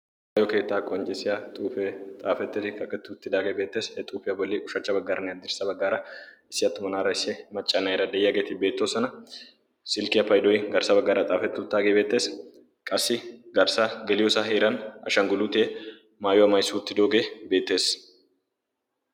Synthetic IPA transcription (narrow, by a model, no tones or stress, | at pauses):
maːjɔke̞ːt̪ːaːkʼɔnd͡ʒɛsɪjat̪ʼuːfɛt̪ʼaːfɛt̪ːɪɪkɐkʼːɛt̪ːɪʊt̪ːɪd̪aːɡeːbe̞ːt̪ːe̞ːshɛt̪ʼuːfɪjɐbɔlːiːʔʊʃɐt͡ʃːɐbɐɡːaːɾɐnɪjɐd̪ɪɾsɐbɐɡːaːɾɐɪsːɪjɐt̪ːʊmɐnaːɾɐɪsɛmɐt͡ʃʼːɐnajɛɾɐd̪ɛjɪjɐɡet̪ɪbe̞ːt̪ːoːsɐnɐ | sɪlkɪɐfɐjd̪ɔjɡɐɾsɐbɐɡːaːɾɐt̪ʼaːfɛt̪ːɪʊt̪ːaːɡeːbeːt̪ːe̞ːs | kʼɐsːɪɡɐɾsaɡɛlɪjɔsaːɦeːɾɐnɐ̰ʃɐŋɡʊluːt̪eː | maːjɔɐmɐjsːʊʊt̪ːɪd̪oːɡe̞ːbe̞ːt̪ːe̞ːs